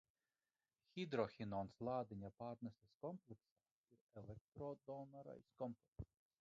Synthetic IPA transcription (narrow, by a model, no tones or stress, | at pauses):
xʲid̪ɾɔxʲinɔnslˠɑːd̪ɪnʲapaːɾnʲɛsʲɛskɔmplʲˠɛksaː | iɾɛlʲˠɛk̚t̪ɾɔd̪ɔnaɾa̰jskɔmplɛk | s